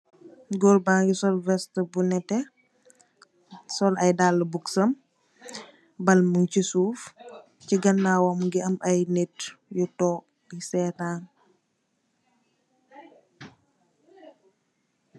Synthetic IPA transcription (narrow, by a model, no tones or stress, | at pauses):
ɡɔlbaːŋɡisɔlvɛstəbunɛtɛ | sɔlɐjdaːlːəbuksɐm | bɐlmuncisuːf | ciɡɐnːaːwɔmɡiɐmʔɐjnetjutɔː | isɛːtaːn